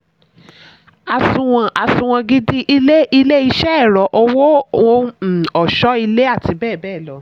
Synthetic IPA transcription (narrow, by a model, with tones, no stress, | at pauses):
a˨sũ˨w̃ɔ̃˧ʔa˨sũ˨w̃ã˧ɡi˦di˦ʔi˧le˦ʔi˧le˦i˧ʃɛ˦ɛ˦˨ɾɔ˨ʔo˧wo˦o˦˧˦ɔ˨ʃɔ˨˦i˧le˦a˦˨ti˧bɛː˦˨bɛː˦˨lɔ˨˦